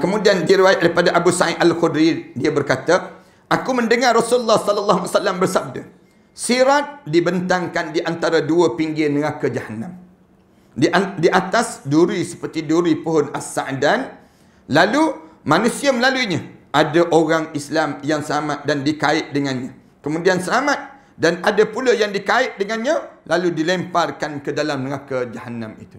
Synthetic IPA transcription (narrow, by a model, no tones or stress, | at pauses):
kəmũdiandiɾiwajaʔ̚daipadaʔabusaɪʔalxudɾidiabərkat̪a | ʔakumə̃ndəŋarrːosuləlːahsɔləlːaɦmasalːambərsab̚da | siɾat̪̚dibənt̪aŋkandiʔant̪aɾaduəpiŋɡɪnəɣakad͡ʒahanːãm | diʔat̪asduɾisə̥pərt̪iduɾipuɦʊnasːaʔdan | lalumãnũsiaməlaluiɲaʔadaʔoɾaŋislamjaŋsəlamat̪̚dandikaɪʔ̪̚dəŋanɲã | kəmũdiansəlamat̪̚ | danadapuləjaŋdikaɪʔ̪̚dəŋanɲãlaludilɛmparkankədalamnəŋakad͡ʒahanãmḭt̪u̥